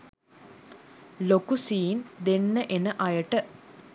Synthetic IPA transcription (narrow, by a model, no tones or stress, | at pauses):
lokusiːnd̪enːəʔenəʔɐjəʈə